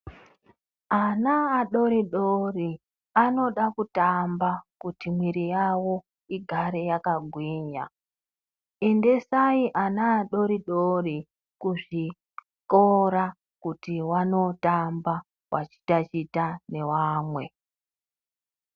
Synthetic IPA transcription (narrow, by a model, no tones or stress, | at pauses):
anaːɗo̞ɾiɗori | ano̞ɗakutambakutimwiɾijawo̞ | iɡʱaɾe̞jakaɡʱwiːɲa | e̞nde̞saiʔanaːɗo̞ɾiɗori | kuʐi | koɾa | kutiwano̞tamba | wʔa̰t͡ʃi̥tat͡ʃitane̞waːmwe̞